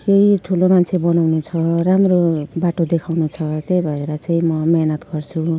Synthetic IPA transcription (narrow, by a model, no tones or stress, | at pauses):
kejʈʰulomant͡sʰebʌnawnut͡sʰʌɾamrobaʈod̪ekʰawnut͡sʰʌt̪ejbʱʌeɾʌt͡saĩmʌmeɦnʌt̪ɡʌrt͡sʰu